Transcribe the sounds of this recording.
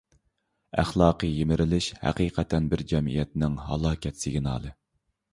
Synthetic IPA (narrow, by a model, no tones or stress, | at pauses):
æχlˠɑːqʰəjemɪɾʔɪlɪʃhæ̰qiːqʰɛt̪ʰɛnbɪɾd͡ʒɛmḭjɛt̪nɪŋɦɑ̰lˠɑːkʲɛt̪sɪɡʲnɑ̰ːlˠɨ